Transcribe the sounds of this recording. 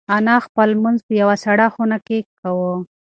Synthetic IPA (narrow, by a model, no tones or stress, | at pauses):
anaxpəlmʊnzpəjawasaɽaxunakekawo